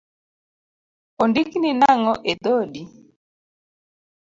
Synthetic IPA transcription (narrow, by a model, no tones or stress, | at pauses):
ondikninaŋɔʔed̪odi